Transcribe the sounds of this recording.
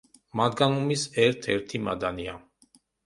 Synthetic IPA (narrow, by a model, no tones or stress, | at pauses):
mad̪ɡanumisɛɾt̪ʰɛɾt̪ʰimad̪ania